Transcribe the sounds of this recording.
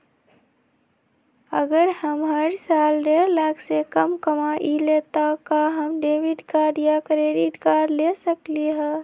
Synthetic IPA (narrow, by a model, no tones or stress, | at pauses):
əɡəɾhəmɦəɽsalɖeɾlaɡsekəmkəmaʔilet̪akaɦəmɖeʋiɖkaɾjakɾeɖiʈkaɾlesəkliɦə